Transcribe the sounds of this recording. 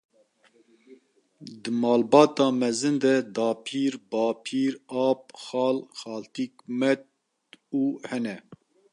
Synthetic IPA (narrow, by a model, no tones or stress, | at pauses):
d̪ɨmɑːlbɑːt̪ɑːmɛzɨnd̪ɛd̪ɑːpʰiːɾbɑːpʰiːɾɑːp̚xɑːlxɑːlt̪iːkmɛt̪̚ | uːhɛnɛ